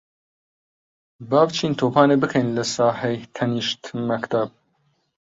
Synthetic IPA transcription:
bɑːvt͡ʃʰiːnt̪ʰoːpʰɑːnebɨkʰɛjnlɐsɑːhejt̪ʰɐniʃt̪mɐkt̪ʰab̚

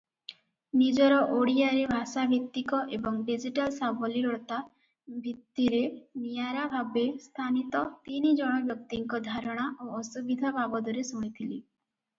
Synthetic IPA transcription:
nid͡ʒɔɾɔʔoɽijaɾebʱasabʱit̪ːikɔʔebɔŋɖid͡ʒiʈalsabɔliɾɔɭt̪a | bʱit̪ːiɾenijaɾabʱabest̪ʰanit̪ɔt̪inid͡ʒɔɽ̃ɔbjɔk̚t̪iŋkɔd̪ʱaɾɔɽ̃aʔoɔsubid̪ʱabʱabɔd̪ɔɾesɔmit̪ʰili

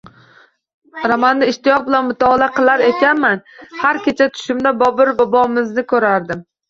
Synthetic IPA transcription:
ɾamanːɪɪʃt̪ɪjɒq̚bɪlanmʊt̪ʰɒːlaqʰɨlˠaɾe̞kʲʰanmanhaɾkʲet͡ʃʰat̪ʰʊ̥ʃɪmd̪abɒbɪɾbɒbɒmɪznɪkʲʰɵɾaɾd̪ɪm

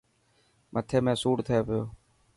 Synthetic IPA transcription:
mʔət̪ʰeːmẽːsuːɽt̪ʰeːpejoː

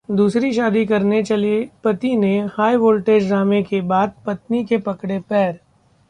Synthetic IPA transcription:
d̪uːsɾiʃaːd̪ikɐɾnet͡ʃɐliepɐt̪inehaːiʋoːlʈeːd͡ʒɾaːmekebaːd̪̚pɐt̪nikepɐkɽepɛːɾ

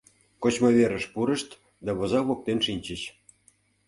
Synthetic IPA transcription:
kot͡ɕmoβeɾə̆ʃpuɾə̆ʃt̪ | d̪ɑβɤ̆zɑβok̚t̪enʃinʲt͡ɕəɕ

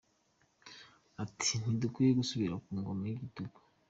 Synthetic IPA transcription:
atʰi̥n̥idukwijeɡusuβiɾakuːŋɡomaiɡituɡu̥

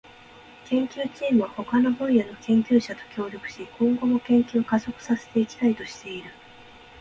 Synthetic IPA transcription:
kẽ̞ŋkʲɨːt͡ɕiːmɯ̟βaho̞kano̞bõɰ̃jano̞kẽ̞ŋkʲɨːɕat̪o̞̥kʲo̞ːɾʲo̞kɯ̟̥ɕikʰõ̞ŋɡo̞mo̞kẽ̞ŋkʲɨːkazo̞kɯ̟̥sase̞̥t̪e̞ikʲi̥t̪ait̪o̞ɕi̥t̪e̞iɾɯ̟

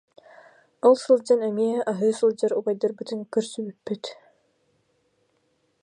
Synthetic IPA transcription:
ɔlˠsɯlˠd͡ʑanɛmiɛɦɛʔaɦɯːsɯlˠd͡ʑaɾubajd̪aɾbɯt̪ɯnkɯɾsybypːyt̪

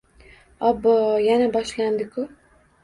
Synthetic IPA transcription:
ɒbːɒjanabɒʃland̪ɪkʰʊ

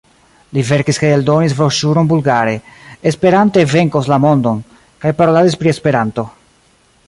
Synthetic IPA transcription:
live̞ɾkiskajeldo̞nis̬vɾoʃuɾonbulɡaɾe̞espe̞ɾante̞ve̞ŋkoslamo̞ndo̞n | kajpaɾo̞lazispɾie̞spe̞ɾanto̞

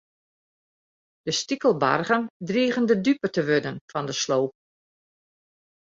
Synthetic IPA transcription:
d̥əstikəlˠba̰rɣəndriːɣəndədypətəʋødənfɔndəsloːp̚

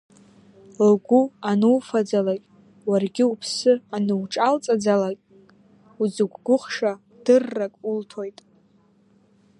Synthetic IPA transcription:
lɡʷuanɨwfad͡zalakʲʼ | warɡʲɪupʰsɨanɨwʈ͡ʂʼalt͡sʼad͡zalakʲʼ | ud͡zɨɡʷɡʷʊχʂa | d̥ɨrːakʼultʰojtʼ

